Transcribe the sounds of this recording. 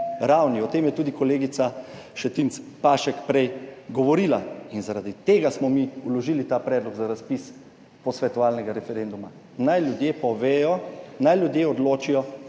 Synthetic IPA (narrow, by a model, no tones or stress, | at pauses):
ɾawniɔt̪eːmjɛt̪uːd̪ikɔleːɡit̪sa | ʃɛt̪int̪s | paʃɛkpɾɛjɡɔʋɔɾilainzaɾad̪it̪eːɡasmɔmiulɔʒiːlit̪aːpɾɛːd̪lɔɡzaɾaspis | pɔsʋɛt̪ɔʋaːlnɛɡaɾɛfɛɾend̪uma | najljud̪jeːpɔʋeːjɔnajlʲjud̪jeːɔd̪loːt͡ʃijɔ